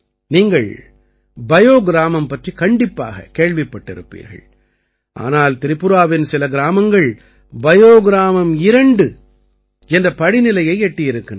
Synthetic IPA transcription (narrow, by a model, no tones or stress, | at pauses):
niːŋɡɐɭ | bɐjoːɡɪɾaːmɐmpɐʈrikɐɳɖɪpːa̰ːɣɐ̰keːɭʋɪpːɐʈːɪ̰ɾɯ̰pːḭːɾɣɐ̰ɭ | ʔa̰ːnaːlt̪ɪɾɪpːʊɾaːʋɪnsɪlɐɡɪɾaːmɐŋɡɐɭ | bɐjoːɡɪɾaːmɐmɪɾɐɳɖɯ | ɛndrɐpɐɽɪnɪlɐjɐɪɛʈːɪjɪɾɯkːɪn